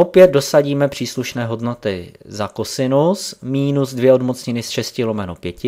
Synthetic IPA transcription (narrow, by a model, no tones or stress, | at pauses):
o̞pjɛd̪̚do̞saɟiːmɛpr̥iːsluʃnɛːɦo̞dnot̪ɪ | zakosɪnusmiːnuzdvjɛodmot͡sɲɪnɪsʃɛscɪlo̞mɛnopjɛcɪ